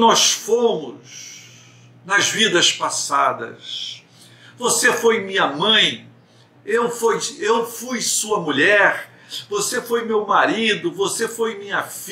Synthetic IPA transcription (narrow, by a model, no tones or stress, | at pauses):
nɔsfõmʊz | nɐzvid̪ɐspasad̪ɐ̰s | vosefojmĩɲɐmɐ̃j̃ | ewfojewfujsuɐmuʎɛɾ | vosefojmewmaɾid̪ʊvosefojmĩɲɐfi